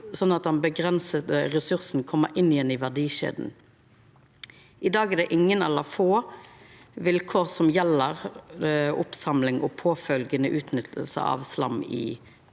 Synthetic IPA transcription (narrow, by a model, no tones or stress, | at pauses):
sɔnːɑt̪̚d̪ɑnbəɡɾɛnsət̪əʁɛsʉʁsn̩kʰɔmːəɾʔɪnːɪjɛnɪʋæʁd̪iːʃḛːd̪n̩ | ʔɪd̪ɑːɡɛd̪ɛʔɪŋːənɛlːəfoː | ʋɪlkʰoːʁsɔmjɛlːəʁ | ʊpsɑmlɪŋʔɔ̰pʰoːfœlɡənəʔʉːt̪nʏt̪ʰəl̩sə̰ɑ̰ʋslɑ̰mːɪ̰